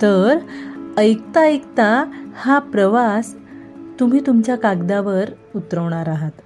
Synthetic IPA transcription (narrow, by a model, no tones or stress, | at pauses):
t̪əɾəjk̚t̪aəjkt̪ahapɾəʋas | t̪um̤iːt̪umt͡ɕjakaɡd̪aʋəɾ | ut̪ɾəʋɳ̃aɾaɦat̪